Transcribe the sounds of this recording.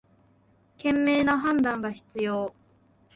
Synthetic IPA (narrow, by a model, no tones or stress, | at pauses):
kẽ̞mːe̞ːnaɦãnd̪ãŋɡaçi̥t͡sɨjo̞ː